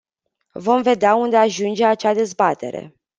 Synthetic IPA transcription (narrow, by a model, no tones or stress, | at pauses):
vo̞mve̞d̪eaund̪e̞aʒund͡ʒe̞at͡ʃad̪e̞zbat̪ʰe̞̰ɾe̞̰